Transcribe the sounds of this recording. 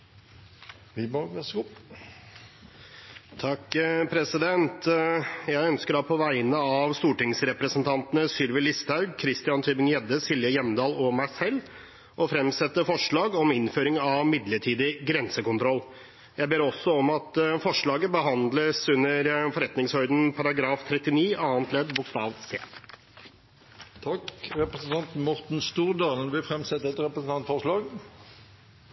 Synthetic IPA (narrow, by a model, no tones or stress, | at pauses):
ʋɪbɡɑs | t̪ʰɑkːpʰɾɛsɪd̪ɛnt̪jæɪœnskəɾɑpʰɔʋæɪnəɑʋst̪uːʈɪŋsɾɛpɾəsənt̪ʰɑnt̪ənəsʏlʋɪlɪst̪ʰɑʉɡkʰɾɪst̪ɪɑnt̪ʰyːbɪŋjɛd̪ːəsɪljəjɛmd̪ɑːlɔmæɪsɛlː | ʔɔfɾɛmsɛt̪ːəfɔʂɭɑːɡɔmɪnføːɾɪŋɑʋmɪd̪ləʈʰiːd̪ɪɡɾɛnsəkʊnt̪ʰɾɔlː | jæɪbeːɾɔsːɔɔmɑt̪fɔʂɭɑːɡəbəɦɑnd̪ləsʉnːəɾfɔɾɛt̪nɪŋshœʏd̪n̩pʰɑɾɑɡɾɑːft̪ʰɾɛt̪ːɪniːʔɑːənt̪ʰlɛd̪bʊkst̪ɑːʋseː | t̪ʰɑkʁɛpɾəsn̩t̪ɑnt̪mɔʁt̪n̩st̪uːʁd̪ɑːlənʋɪlfɾɛmsɛt̪ːəɛt̪ɾɛpɾəsn̩t̪ɑnt̪fɔʁʂlɑːɡ